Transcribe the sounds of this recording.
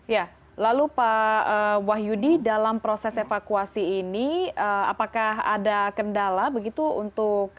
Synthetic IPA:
ja | lalupaəwaɦjudidalampɾosɛsefakuasiːniəa̰pakaɦa̰dakəndalabəɡit̪uṵnt̪ʊk̚

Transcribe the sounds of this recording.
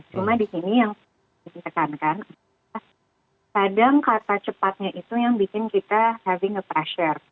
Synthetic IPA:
t͡ʃumadisinijaŋ | ɪnt̪əkankan | a | kadaŋkart̪at͡ʃəpat̪̚ɲaʔit̪ujaŋbikɪnkit̪ahɛvɪŋəpɾɛʃər

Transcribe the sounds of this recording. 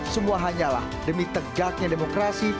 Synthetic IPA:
səmuaɦaɲala̰h | dəmit̪əɡak̚ɲademokɾasi

